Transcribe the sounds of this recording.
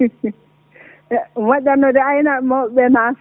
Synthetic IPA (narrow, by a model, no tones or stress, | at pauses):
waɗanːɔdɛajnamɔɓɛna